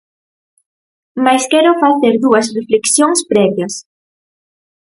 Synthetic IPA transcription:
majskɛɾofaθeɾðuɐs̬refleksjoŋspɾɛβjɐs

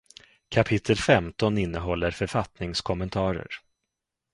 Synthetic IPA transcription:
kʰapʰɪt̪ʰːəlfɛmt̪ɔnɪnːəɦɔlːəɾfœɾfat̪nɪŋskʰɔmənt̪ʰɑːɾə̰ɾ

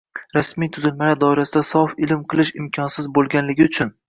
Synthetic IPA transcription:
ɾasmijt̪ʰʊzɪlmaad̪ɒɪɾasɪd̪asɒfɪlɪmqʰɨlˠɪʃɪmkʲʰɒnsɪzbolˠɡʲanlɪɡʲɪʊt͡ʃʰʊn

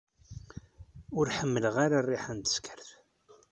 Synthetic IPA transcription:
ʊɾħəmːələʁaɾarˤːiħænt̪ə̥skʰə̥ɾθ

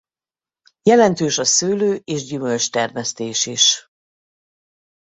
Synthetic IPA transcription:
jɛlɛnt̪øːʃɒsøːløːʔeːʒɟymølt͡ʃt̪ɛrmɛst̪eːʃiʃ

